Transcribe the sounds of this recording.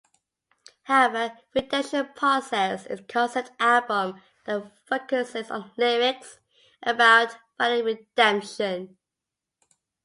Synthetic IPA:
haʊɛvəɹɪdɛ̃mʃə̃npʰɹ̥ɔsɛsɪ̰z̥kʰɔ̃nsətalˠbə̃m | ðəfoʊkəsɪzə̰̃nlɪmɪts | ʔəbaʊtb̥aɾiɹɪd̥ɛ̃mpʃə̃n

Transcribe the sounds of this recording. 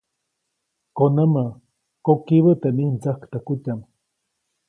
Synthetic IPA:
konəmə | kokiβət̪enihnt͡səhkt̪əkutam

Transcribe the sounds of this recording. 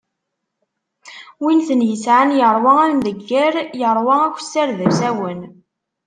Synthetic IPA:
winθənjəsʕanjəɾˤwɑæðmðəɡːəɾjəɾˤwɑækʷːsːæɾðəsæwən

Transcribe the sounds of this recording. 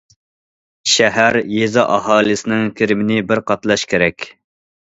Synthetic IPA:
ʃɛɦæɾjezɨʔɑɦɑːlˠɨsɪnɪŋkʲʰeɾɪmɪnɪbɪɾqɑt̪lˠɑʃkʲʰeɾɛkʲ

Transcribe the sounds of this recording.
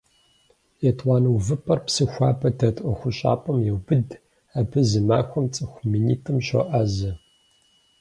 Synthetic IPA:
jɛtʼʷɑːnɐwvɨpʰʼɐrpsɨxʷɑːpʰɐtʰɐtʼɐxʷʊɕʼa̰ːpʷʼɐmjɛwbɨd | apʰɨzɨmaːxʷɔmt͡sʼɨxʷminḭːtʰɨmɕɐ̰ʔaːzɐ

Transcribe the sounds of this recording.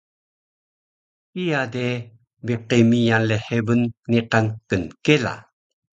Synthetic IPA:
ijade | biqemijanleħebənːiqankənkela̰

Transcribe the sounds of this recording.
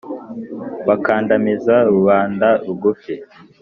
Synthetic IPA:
βakaːndamizaɾuβaːndauɡufe

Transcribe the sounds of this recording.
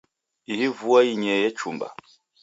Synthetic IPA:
ihivuaiɲɛjɛt͡ʃumba̰

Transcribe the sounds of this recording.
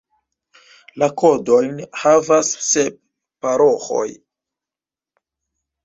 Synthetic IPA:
lako̞do̞jnhavasːep̚ | paɾo̞xo̞̰j

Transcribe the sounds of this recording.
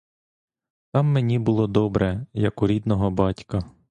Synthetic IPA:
t̪ɑmːenʲibʊlˠɔd̪ɔbɾɛjɐkʊɾʲid̪nɔɦɔbɑtʲkɐ

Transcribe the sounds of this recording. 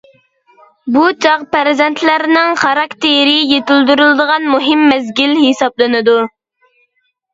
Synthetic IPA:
but͡ʃʰɑʁpæɾzɛnt̪ʰlæɾnɪŋχɑɾɑkt̪ʰeɾɪjet̪ɪld̪yɾylˠd̪əʁɑnmuɦɪmːɛzɡʲilhesɑblˠɨnɨd̪u

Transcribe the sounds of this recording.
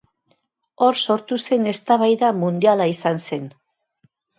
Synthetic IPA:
o̞ɾso̞ɾt̪use̞ne̞st̪aβajðamund̪ialaisanse̞n

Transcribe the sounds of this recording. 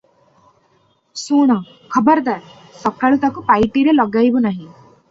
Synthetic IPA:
suɽ̃ɔ | kʰɔbɔɾd̪a | sɔkaɭut̪akupajʈiɾelɔɡajbunaɦĩ

